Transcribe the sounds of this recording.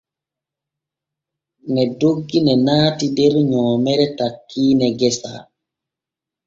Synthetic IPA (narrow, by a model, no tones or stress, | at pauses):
nɛdoɡːinɛnaːtidɛɾɲɔːmɛɾɛtakːiːnɛɡɛsa̰